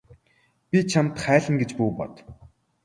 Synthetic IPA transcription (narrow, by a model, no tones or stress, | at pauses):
pʲit͡ɕʰamt̪χæːɮə̆ŋɡet͡ɕpuːpɔ̰t̪